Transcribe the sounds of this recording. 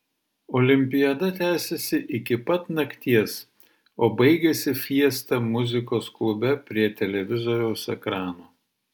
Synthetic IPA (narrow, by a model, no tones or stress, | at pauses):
oːlʲɪmʲpʲɪjɐd̪ɐt̪ʲæːsʲɛsʲɪʔɪkʲɪpɐt̪nɐkʲt̪ʲiɛs | oːbɐɪɡʲɛsʲɪfʲiɛst̪ɐmʊzʲɪkoːsklˠʊbʲɛpʲɾʲiɛt̪ʲɛlʲɛʋʲɪzoɾʲɛʊsɛkɾɑːnoː